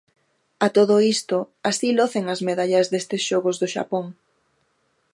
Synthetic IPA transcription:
at̪oð̞ʊist̪oasiloθeŋɐzmeðaʎɐzðest̪ɪsʃoɣozðʊʃa̰poŋ

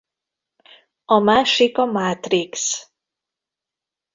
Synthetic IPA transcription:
ɒmaːʃikɒmaːt̪riks

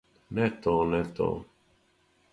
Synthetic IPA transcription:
nɛt̪ɔnɛt̪ɔ̰

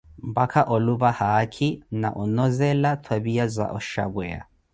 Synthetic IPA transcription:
mbakʰaʔɔluβahakʰina̰ʔɔnɔzɛlatʰwaβiazʷa̰ʔɔʃa̰βwɛa̰

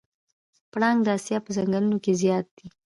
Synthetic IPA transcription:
pɽɑŋɡd̪əasjɑpəzaŋɡalunokezjɑt̪̚d̪̥i

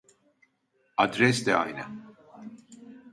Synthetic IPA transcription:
ad̪ɾɛsd̪ɛa̰jnɛ

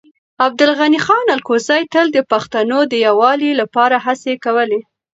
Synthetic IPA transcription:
ab̚d̪ʊlɣanixɑnalkozajt̪əld̪əpaxt̪anod̪əjawɑlilapɑɾaɦasekawəle

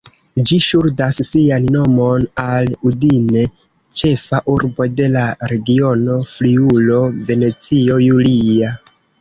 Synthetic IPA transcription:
d͡ʒiʃuɾdasːianːo̞mo̞naludine̞ | t͡ʃe̞faʔuɾbo̞de̞laɾe̞ɡio̞no̞fliulo̞ve̞ne̞t͡sio̞julia

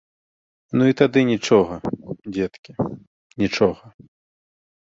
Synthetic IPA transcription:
nuit̪ad̪ɨnʲit͡ʂɔɣɐd͡zʲɛt̪kʲi | nʲit͡ʂɔɣɐ

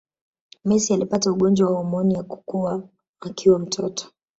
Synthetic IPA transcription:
mɛsialipatauɠɔnd͡ʒwawahɔmɔnijaku̥kuaː | kʰiwam̩tʰɔtɔ̥

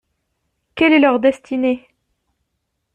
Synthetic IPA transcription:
kʲɛlɛlœʁd̪ɛst̪ine

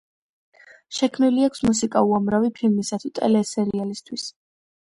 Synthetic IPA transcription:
ʃɛkʰmniliakʰsmusikʼauamɾavipʰilmisat̪ʰut̪ʼɛ̰lɛsɛɾialist̪ʰwis

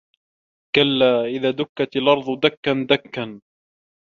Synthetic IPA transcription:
kalːaːʔɪðaːd̪ʊkːat̪ɪlʔɑɾˤðˤʊd̪akːand̪akːan

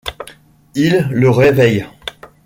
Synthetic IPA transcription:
ilːəʁevɛj

